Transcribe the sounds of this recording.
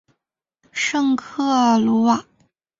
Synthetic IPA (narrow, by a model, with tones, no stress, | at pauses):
ʂɤ˥˧ŋkʰɤ˥˩lu˧˥wa˨˩˦